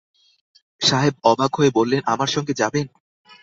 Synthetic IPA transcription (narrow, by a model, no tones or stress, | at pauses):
ʃaɦeb̚ɔbʱaɡʱɦoebolːenʔa̰maɾʃɔŋɡed͡ʑaben